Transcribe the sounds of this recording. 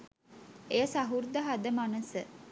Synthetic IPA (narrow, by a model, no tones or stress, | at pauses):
ejəsaɦuɾd̪əɦad̪əmanəsə